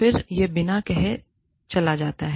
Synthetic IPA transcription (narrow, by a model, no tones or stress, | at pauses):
ɪɾjebɪnakɛɦe | t͡ʃɐlad͡ʒaːt̪aɦ